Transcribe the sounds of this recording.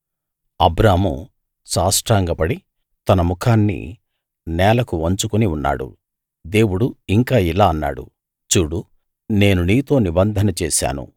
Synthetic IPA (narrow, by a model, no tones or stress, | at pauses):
ɐbɾaːmṵ | saːsʈɾaːŋɡɐpɐɽi | t̪ɐnɐmukʰaːnːḭ | nɛːlɐkuʋɐɲt͡ʃukuniunːa̰ːɽṵ | d̪e̞ːwuɽuiŋkaːilaːɐnːa̰ːɽṵ | t͡ʃuːɽu | ne̞ːnuniːt̪o̞ːnibɐnd̪ʱɐnɐt͡ʃɛːʃa̰ːnṵ